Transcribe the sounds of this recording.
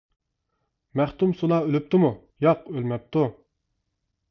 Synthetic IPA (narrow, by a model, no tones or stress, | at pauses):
mæχt̪umsulˠɑːølyp̚t̪ɨmu | jɑqølmɛp̚t̪u